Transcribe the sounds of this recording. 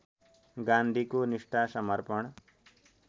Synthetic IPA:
ɡãnd̪ʱikoniʂʈasʌmʌɾpʌɳ̃

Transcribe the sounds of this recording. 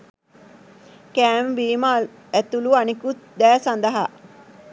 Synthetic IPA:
kæːmbiːma | æt̪uluanikut̪d̪æːsand̪ɐɦa

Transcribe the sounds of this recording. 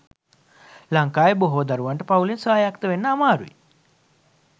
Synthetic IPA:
laŋkaːjboɦoːd̪aɾuʋaɳʈəpaulensaːjakt̪əʋenːəamaːɾuʋḭ

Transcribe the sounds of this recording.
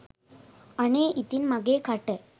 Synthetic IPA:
aneit̪iːnmaɡekʰaʈɛ

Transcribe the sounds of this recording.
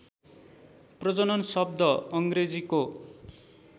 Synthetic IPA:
prʌd͡zʌnʌnsʌb̚d̪ʱʌʌŋɡred͡ziko

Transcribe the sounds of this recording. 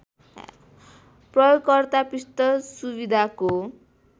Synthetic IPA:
prʌjoɡkʌrt̪apist̪ʌsubid̪ʱako

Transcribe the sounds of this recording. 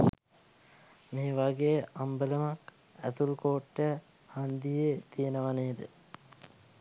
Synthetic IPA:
meːʋaɡejəʔambələmak | æt̪ulkoːʈːəja | hand̪ijet̪ijenəʋaneːd̪ə̰

